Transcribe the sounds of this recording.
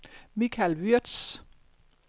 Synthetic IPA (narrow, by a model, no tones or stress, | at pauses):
mikʰælʋyɐd̥s